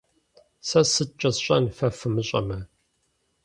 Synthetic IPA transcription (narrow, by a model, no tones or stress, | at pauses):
sɐsɨt̚t͡ʃʼɐsɕʼɐnfɐfɨmɨɕʼɐ̰mɐ